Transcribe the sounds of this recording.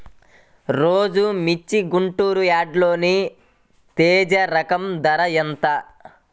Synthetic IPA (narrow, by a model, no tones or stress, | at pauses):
ɾoːd͡ʒumit͡ʃːiɡuɳʈuːɾujaːɖlo̞ːni | t̪eːd͡ʒɐɾɐkɐmd̪ɐɾɐjɐnt̪ɐ